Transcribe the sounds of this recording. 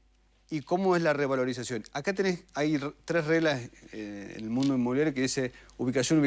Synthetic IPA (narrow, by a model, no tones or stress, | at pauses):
iko̞moezlareβalo̞ɾisasjo̞nakat̪enesajrt̪ɾesreɣlas | lmũnd̪oimoβiljaɾjokeðiseuβikasjonuβ